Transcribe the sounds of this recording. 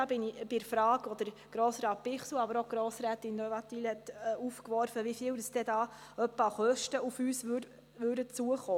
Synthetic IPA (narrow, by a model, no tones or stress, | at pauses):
ɑːbɪnib̥ɪfɾɑːɡɔd̪əɾ | ɡ̥ɾoːsɾɑːt̚pɪχsl̩uɑbəɾoɡ̥ɾoːsɾæːt̪ɪnːøvɑt̪iːlhɛt̪ːufkʋɔɾfəʋifɪːwdəsd̥̪ɛd̪ɑː | œpːɑχœʃtəufyːsʋø | ʋʉːdət͡suəχoː